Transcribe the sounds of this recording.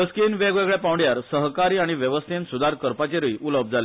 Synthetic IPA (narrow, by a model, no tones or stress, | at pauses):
əskinʋeɡʋeɡɭɛpawɳɖjaɾsəɦkaɾiːaɽ̃iʋjəʋəst̪ʰensud̪ʱaɾkəɾpat͡ɕeɾəiʔuləb̚ʱd͡zʱale